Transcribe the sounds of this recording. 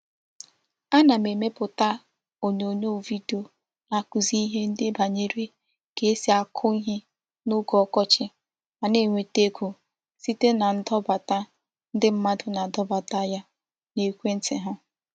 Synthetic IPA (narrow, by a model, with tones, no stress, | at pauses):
a˦na˨me˨me˦pʊ˨ta˦ | o˨ɲo˨ɲo˦˨vi˦do˨ | na˨ku˨zi˦i˦ɦe˦n̩˦dɪ˦ba˨ɲe˦ɾe˦ | ke˨˦e˦si˦a˨kʰʊ˦i˦ɦe˦ | nʊ˦ɡɔ˦kɔ˦t͡ʃɪ˦ | a˨ne˦˨ŋʷe˨te˦kʷu˨ | si˦te˦na˨n̩˦dɔ˦ba˨ta˦ | n̩˦dɪ˦m̩˦ma˦dʊ˨na˨dɔ˦ba˨ta˦ja˦ | ne˨kʷe˦n̩˦tɪ˨ɦʊ˦